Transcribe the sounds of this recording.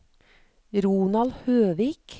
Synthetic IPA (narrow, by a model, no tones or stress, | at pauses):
ɾuːnɑlhøːʋiːk